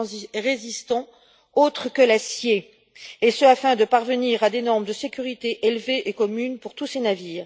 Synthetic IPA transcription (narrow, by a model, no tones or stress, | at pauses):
ʁezist̪ɑ̃ | ot̪χəkəlasje | esəafɛ̃d̪əpaʁvəniʁad̪enɔʁməd̪əsekʲyʁit̪eʔelveʔekɔmynpuʁt̪usenaviːʁ